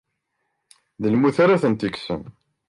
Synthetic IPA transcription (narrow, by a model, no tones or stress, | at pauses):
ðəlmuθaɾaθənt̪iksə̰n